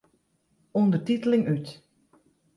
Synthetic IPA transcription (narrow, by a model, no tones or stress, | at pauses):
undərtitəlɪŋyt